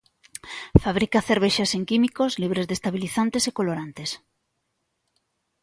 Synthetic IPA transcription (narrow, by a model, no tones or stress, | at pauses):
faβ̞ɾikaθeɾβ̞eʃaseŋkimikozliβ̞ɾezðest̪aβiliθant̪esekoloɾant̪es